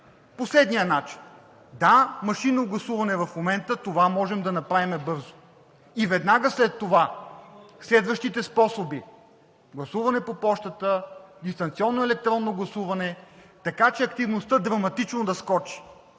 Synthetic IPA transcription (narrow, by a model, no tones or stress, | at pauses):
poslɛd̪nijənat͡ʃi̥n | d̪amɐʃinoɡlˠɐsuvɐnɛvɐfmomɛnt̪ət̪ovamɔʒɛmd̪ɐnɐpɾavimɛbɤɾzo̥ | ivɛd̪naɡəslɛt̪ːova | slɛd̪vəʃt̪it̪ɛspɔsobi | ɡlˠɐsuvɐnɛpopɔʃt̪ət̪əd̪ist̪ɐnt̪siɔnːoɛlɛk̚t̪ɾɔnːoɡlˠɐsuvɐnɛ | t̪ɐkat͡ʃɛɐkt̪ivnost̪ɤd̪ɾɐmɐt̪it͡ʃnod̪ɐskɔt͡ʃi̥